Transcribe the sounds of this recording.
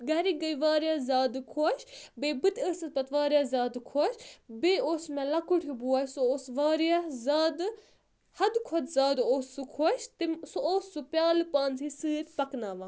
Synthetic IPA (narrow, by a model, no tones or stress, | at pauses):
ɡɐɾiɡɐjʋaːɾjaːzaːd̪ɨkʰoʃbeːbɨt̪əːsɐt̪pɐt̪ʋaːɾijaːzaːd̪kʰoʃbeːoːsmẽlɐkuʈʰibuaːsuoːsʋaːɾijazaːd̪ɨ | hɐd̪kʰɔt̪zaːd̪oːsːukʰoʃt̪imsuoːsːupjaːlɨpaːnzisɨːɾʲpɐknaːʋaː